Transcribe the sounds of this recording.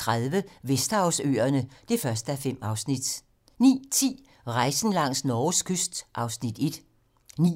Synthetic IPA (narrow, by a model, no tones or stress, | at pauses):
ʁaðˠʋəʋesd̥ɑ̈ʊsø̰ːɐnəd̥e̝fɶɐsd̥əæɐfem̰ɑ̈ʊsnid̥ | nḭːt͡sʰḭː | ʁɑ̈ɪsn̩lɑ̈ŋ̰snɒːskʰøsd̥ʔɑ̈ʊsnid̥e̝d̥ | nḭ